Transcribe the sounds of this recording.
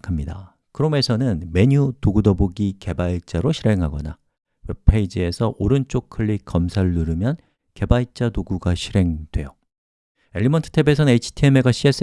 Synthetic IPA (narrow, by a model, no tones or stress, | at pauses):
kʰamɲida | kɯɾʌme̞sʰʌnɯnme̞ɲutoɡudʌboɡike̞baɭt͡ɕ͈aɾoɕʰiɾe̞ŋɦaɡʌna | wepʰeid͡ʑie̞sʰʌʔoɾɯnt͡ɕ͈ok̚kʰɯɭːikʌmsʰaɭːɯɾɯmjʌn | ke̞baɭt͡ɕ͈atoɡuɡaɕʰiɾe̞ŋdwe̞̰jo | e̞ʎːimʌntʰɯ̥tʰe̞be̞s̬ʰʌnɯneit͡ɕʰi̥tʰieme̞ɡaɕʰies͈